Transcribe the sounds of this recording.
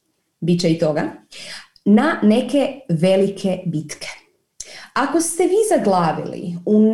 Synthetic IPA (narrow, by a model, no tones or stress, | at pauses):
bit͡ɕait̪o̞ɡa̰ | nane̞ke̞ʋe̞likʰebit̪kʰe̥ | ako̞st̪eʋiːzaɡlˠaːʋḭlḭun